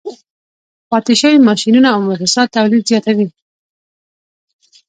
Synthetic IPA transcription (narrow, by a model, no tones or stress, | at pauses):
pɑt̪ɪʃəwimɑʃinunaːwmɪɾɪsɑd̪̚t̪ːawlid̪zjɑt̪awi